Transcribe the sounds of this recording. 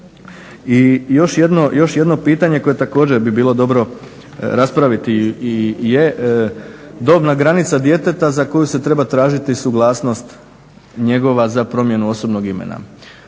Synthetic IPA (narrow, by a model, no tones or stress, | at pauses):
ijo̞ʃje̞d̪no̞jo̞ʃje̞d̪no̞piːt̪aɲe̞ko̞je̞t̪ako̞ːd͡ʑeɾbibiːlo̞d̪o̞bɾo̞ | ɾaspɾaʋit̪i | je | d̪o̞ːbnaɡɾanit̪sad̪je̞t̪e̞t̪azako̞juse̞t̪ɾe̞bat̪ɾaːʒit̪isuɡlˠaːsno̞st̪ | ɲe̞ɡo̞ʋazapɾo̞mje̞nuo̞so̞bno̞ɡimḛna̰